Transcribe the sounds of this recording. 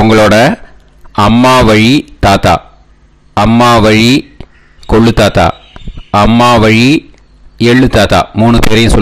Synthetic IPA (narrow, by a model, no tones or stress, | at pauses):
ʊŋɡɐɭoːɽɐ | ɐmːaːʋɐɻit̪aːt̪a̰ː | ɐmːaːʋɐɻi | kɔɭːɯt̪aːt̪a̰ːɐmːaːʋɐɻi | ɛɭːɯt̪aːt̪a̰ːmuːɳɯt̪eːɾɐjʊ̃sɔ